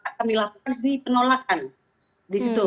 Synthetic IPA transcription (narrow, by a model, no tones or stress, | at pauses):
akandilapukansdipənolak̚an | disit̪u